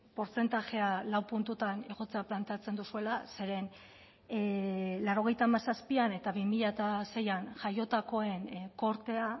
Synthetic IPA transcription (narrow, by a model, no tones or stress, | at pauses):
po̞ɾt͡se̞nt̪aʝe̞alawpunt̪ut̪ane̞ɣ̞o̞t͡seaplant̪eat͡se̞nd̪usue̞lase̞ɾe̞n | larɾo̞ɣ̞e̞jt̪aːmasaspiane̞t̪aβimiʎat̪ase̞janʝajo̞t̪ako̞e̞nko̞ɾt̪e̞a